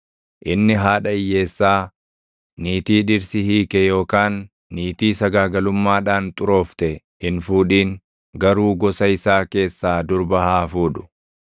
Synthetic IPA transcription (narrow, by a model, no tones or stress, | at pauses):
ʔɪnːɪɦaːᶑɐɪjːe̞ːsːaː | niːt̪iːᶑɪɾsɪhiːkɛjo̞ːkaːnː | iːt̪iːsɐɡaːɡɐlʊmːaːᶑaːnt̪ʼʊɾo̞ːft̪ɛ | ɪnfuːᶑiːŋ | ɡɐɾuːɡɔsɐɪsaːke̞ːsːaːd̪ʊɾbɐɦaːfuːᶑʊ̥